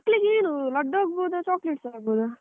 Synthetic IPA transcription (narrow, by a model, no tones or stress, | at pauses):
kːlikeːnulɐɖːoːɡ̚boːd̪ɐt͡ʃaːkleʈsaːɡboːd̪u